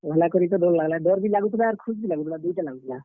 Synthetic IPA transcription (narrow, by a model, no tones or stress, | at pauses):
ʋɛlakɔɾit̪ɔd̪ollaɡlad̪ɔɾbʱilaɡut̪laːɾkʰusbʱilaɡut̪lad̪ujʈalaɡut̪la